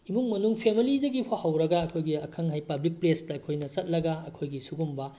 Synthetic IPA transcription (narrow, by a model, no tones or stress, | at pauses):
imuŋmɐnuŋpʰemilidɐɡipʰahɐwɾɐɡaɐkʰojɡiɐkʰɐŋɦajpɐblik̚plestɐːkʰojnɐt͡ʃɐt̚lɐɡaɐkʰojɡisuɡumbɐ